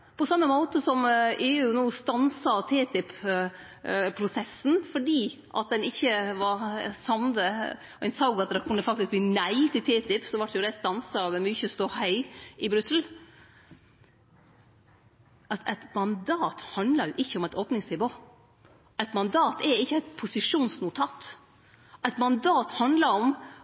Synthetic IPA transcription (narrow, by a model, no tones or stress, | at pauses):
pɔsɑmːəmoːt̪əsɔmeːʉʉːnuːst̪ɑnsɑt̪ʰeːt̪ɪp | pʰːɾʊsɛsːn̩fɔɖiː | ʔɑ̰t̪̚d̪ɛnɪçːəʋɑɾsɑmnd̪ə | ɛnsɑʊɡɑt̪̚d̪ɛkʰʉnːəfɑk̚t̪ɪskb̪iːnæɪt̪ʰɪlt̪ʰɛːt̪ɪpsɔʋɑʈːjʊd̪æst̪ɑnsɑʋɛmyːçəst̪oːhœɪɪbɾʉsl̩ | ʔɑʔæɪt̪mɑnd̪ɑːt̪hɑnd̪lɑɾjʊʔɪçːəɔmæɪt̪oːpnɪŋsnɪʋoː | ʔæɪt̪mɑnd̪ɑːt̪ʰɛɾɪçːəæɪt̪pʰʊsɪʂuːnsnʊt̪ʰɑːt̪ | ʔæɪt̪mɑnd̪ɑːt̪hɑnd̪lɑɾɔm